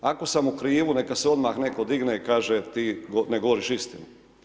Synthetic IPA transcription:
ako̞samukɾiːʋunekaseo̞d̪maxne̞ko̞d̪iɡneikaːʒet̪iːɡoneɡo̞ʋoɾiʃist̪inu

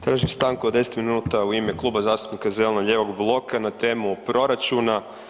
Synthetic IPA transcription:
t̪ɾaːʒimst̪aŋkud̪e̞set̪minuːt̪auimeklˠuːbazaːst̪u̥pnikazelnoʎeːʋo̞ɡblˠo̞kanat̪e̞ːmupɾo̞ɾat͡ʃuna

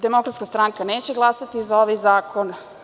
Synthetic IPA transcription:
d̪emo̞kɾat̪skast̪ɾaŋkaneːt͡ɕeɡlˠasat̪izao̞ʋajzaːkʰo̞n

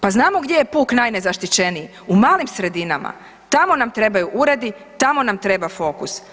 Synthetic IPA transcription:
paznaːmoɡd̪ʲje̞jepuːknajne̞zaʃt̪it͡ɕe̞niji | umaːlimsɾe̞d̪inama̰ | t̪amo̞namt̪ɾe̞bajuʔuɾed̪i | t̪amo̞namt̪ɾe̞bafo̞kus

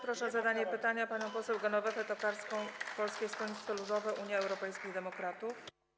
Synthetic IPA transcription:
pɾɔʂɛzad̪aɲɛpɘt̪aɲapaɲɔ̃w̃pɔsɛwɡɔnɔvɛfɛt̪ɔkaɾskɔ̃w̃pɔlskʲest̪ɔɲit̪ɛlud̪ɔvɛʔuɲjɛɛwɾɔpɛjskʲijd̪ɛmɔkɾat̪uf

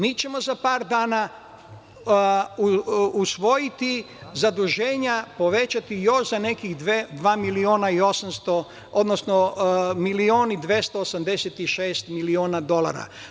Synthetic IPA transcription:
miːt͡ɕe̞mo̞zapaːɾd̪aːna | usʋo̞jit̪i | zad̪uʒeːɲapo̞ʋe̞t͡ʃat̪ijo̞ʃzane̞kiɣd̪ʋed̪ʋaːmilioːnaio̞samst̪o | od̪nosnomilioːnid̪ʋjest̪oːsamd̪e̞set̪iʃeːst̪milioːnad̪o̞la̰ɾa̰

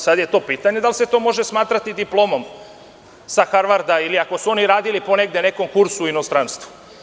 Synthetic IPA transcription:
sad̪je̞t̪o̞piːt̪aɲe̞d̪alse̞t̪o̞ːmo̞ʒesmaːt̪ɾat̪id̪iplo̞ːmo̞m | saxaɾʋaɾd̪ailiako̞suo̞niɾaːd̪ilipo̞ne̞ɡd̪e̞ne̞ko̞mkuɾsuino̞st̪ɾanst̪vu

